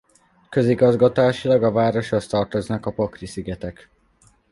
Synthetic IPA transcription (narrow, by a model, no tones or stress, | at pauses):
kø̞ziɡɒzɡɒt̪aːʃilɒɡɒvaːɾo̞ʃɒst̪ɒrt̪o̞znɒkɒpokrisiɡɛt̪ɛk